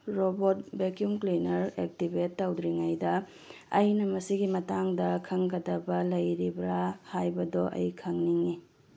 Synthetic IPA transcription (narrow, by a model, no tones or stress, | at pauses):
ɾobot̚bekjumklinɐɾek̚tibetːawdɾiŋajdɐ | ɐjnɐmɐsiɡimɐtaŋdɐkʰɐŋɡɐdɐbɐlɐjɾibɾahajbɐdɔʔɐ̰jkʰɐŋniŋi